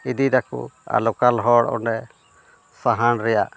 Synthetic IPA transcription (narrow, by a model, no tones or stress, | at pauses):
id̪id̪akṵa̰lɔkalɦɔɽɔ̰nɛ | saɦanɾɛjaʔ